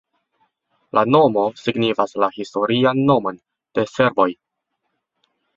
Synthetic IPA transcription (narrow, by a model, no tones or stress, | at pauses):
lʔano̞mo̞siɡnifaslahisto̞ɾianːo̞mo̞n | d̥e̞se̞ɾvo̞j